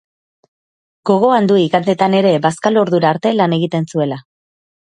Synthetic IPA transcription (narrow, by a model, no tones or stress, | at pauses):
ɡ̥o̞ɣ̞o̞and̪uiɣand̪e̞t̪ane̞ɾe̞baskalo̞ɾðuɾaːɾt̪e̞lane̞ɣit̪e̞nsue̞la